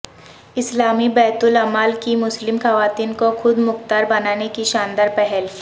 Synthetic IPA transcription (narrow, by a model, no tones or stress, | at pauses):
ɪslaːmibɛːt̪ʊlɐmaːlkimʊslɪmxɐʋaːt̪iːnkoxʊd̪mʊxt̪aːɾbɐnaːnekiʃãːnd̪əɾpɛɦɛl